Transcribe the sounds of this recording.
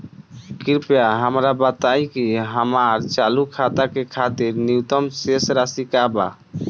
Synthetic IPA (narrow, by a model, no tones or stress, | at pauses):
kiɾpjaɦəmɾabət̪ajkiɦəmaɾt͡ʃalukʰat̪akekʰat̪iɾnit̪əmsesɾasikaba̰